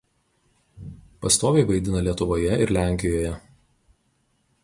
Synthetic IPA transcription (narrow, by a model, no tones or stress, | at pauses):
pɐst̪oːʋʲeɪʋɐɪd̪ʲɪnɐlʲiɛt̪ʊʋoːjɛɪɾlʲæˑŋʲkʲɪjoːjɛ